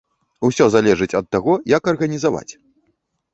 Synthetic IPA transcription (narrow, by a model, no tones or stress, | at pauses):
usʲɔzalʲɛʐɨt͡sʲɐt̪ːaɣɔjɐkɐrɣɐnʲizava̰t͡sʲ